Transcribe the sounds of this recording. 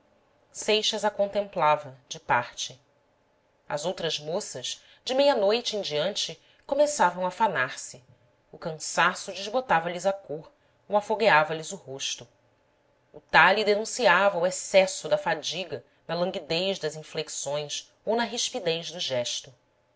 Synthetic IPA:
sejʃɐzakõnt̪ẽmplavɐd͡ʒɪpaɾt͡ʃɪ | ɐ̰zowt̪ɾɐzmosɐʃ | d͡ʒɪmejɐnojt͡ʃɪẽd͡ʒiɐ̃nt͡ʃɪ | komesavɐ̃w̃afanaɾsɪ | ʊkɐ̃sasʊd͡ʒɪzbot̪avɐlizakoɾ | owafoɡeavɐlizʊhoʃt̪ʊ | ut̪alid̪enũsiavɐuesɛsʊd̪ɐfad͡ʒiɡɐ | nɐlɐ̃ŋɡid̪ejʒd̪ɐzĩfleksõj̃s | ownɐɦiʃpid̪ejzd̪ʊʒɛʃt̪ʊ

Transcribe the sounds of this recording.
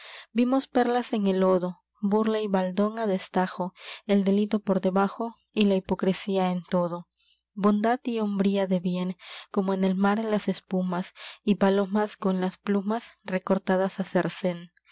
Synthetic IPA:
bimo̞spe̞ɾlase̞ŋe̞lo̞ðo̞ | buɾlaiβald̪o̞ŋaðest̪axo̞eld̪e̞lit̪o̞po̞ɾðe̞βaxo̞ | ilaipo̞kɾesiae̞nt̪o̞ðo̞ | bo̞nd̪aðio̞mbɾiaðe̞βje̞ŋko̞moene̞lmaɾelase̞spumasipalo̞masko̞nlasplumasre̞ko̞ɾt̪aðasaseɾse̞n

